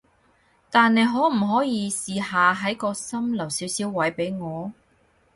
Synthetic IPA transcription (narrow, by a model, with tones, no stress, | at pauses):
t̪aː˨ne˨˧jɦɔː˨˥m̩˨˩ɦɔː˨˥jiː˨˧siː˨haː˨ɦɐ˨˥jkɔː˧sɐ˥mlɐ˨˩wsiː˨˥wsi˨˥wwɐ˨˥jpe˨˥jŋɔː˨˧